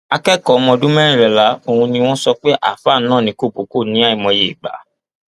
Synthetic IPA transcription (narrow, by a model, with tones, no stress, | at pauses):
a˧kɛ˦kɔ˨˦mɔ̃˧dũ˦mɛ˦ɾĩ˦˨ɾɛ˨la˨˦o˧hũ˧nĩ˧w̃ɔ̃˦sɔ˧k͡pe˦ʔa̰˦˨fa˦˨˦nãː˦˨nĩ˧˦ko˦˨po˨˦ko˦˨nĩ˨˦a˦˨i˨mɔ̃˧je˨i˨ɡ͡ba̰˨˦